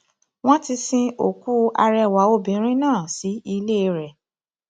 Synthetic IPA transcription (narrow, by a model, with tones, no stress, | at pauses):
w̃ɔ̃˦ti˧sĩ˧o˨ku˦a˧ɾɛ˧˨wa˨˦o˧bĩ˨˦ɾ̃ĩ˦nãː˦˨si˨˦i˧le˦˧ɾɛ˨